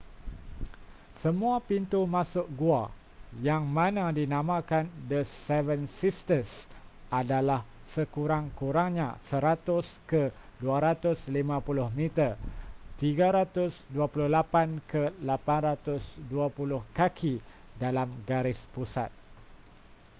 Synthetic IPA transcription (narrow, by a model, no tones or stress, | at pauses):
səmũapint̪umãsʊʔ̚ɡua | jaŋmãnãdinãmãkandəsɛvənsist̪əsadalah | səkuɾaŋkuɾaŋɲã̰səɾat̪ʊskəduaɾat̪ʊslimãpulʊhmit̪ərt̪iɡaɾat̪ʊsduapulʊhlapankəlapanɾat̪ʊsduapulʊhkakʰi | dalamɡaɾɪspusa̰t̪̚